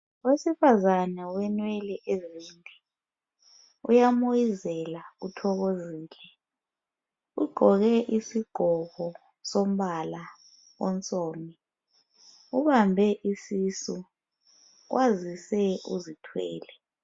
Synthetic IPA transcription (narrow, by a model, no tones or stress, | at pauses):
wesifazanɛwɛnwɛlɛʔɛziːndʱɛ | ujamojizɛlautʰɔk̬oziːlɛ | uɡ͡ǃʱɔɣ̬ɛʔisiɡ͡ǃ̥ʱɔkɔ | som̩ɓala | wɔ̰nt͡sʼoːmi | uɓambʱɛʔisisu | k̬wʔazisɛuzitʰwɛ̰ːlɛ